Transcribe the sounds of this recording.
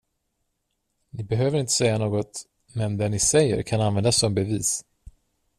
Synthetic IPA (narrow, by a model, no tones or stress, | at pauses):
nɪbɛɦøːvəɾɪnt̪ə̥sɛjːanoːɡɔt̪ | mɛnd̪ɛnɪsɛjːə̰ɾkʰananvɛnd̪asːɔmbɛviːs